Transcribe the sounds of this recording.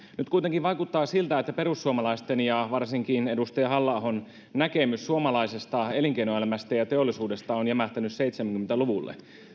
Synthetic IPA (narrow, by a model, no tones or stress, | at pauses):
nyt̪̚kujt̪eŋkiʋʋɑjkut̪ːɑːsilt̪æet̪ːæpe̞ɾusːuomɑlɑist̪enjɑʋɑrsiŋkinedust̪ɑjɑɦɑlːɑˑhon | nækemysːuomɑlɑisest̪ɑeliŋkeinoelæmæst̪æjɑt̪eolːˑisuːde̞st̪ɑonjɑmæht̪ænysseit̪semæŋkyment̪æluʋulːḛ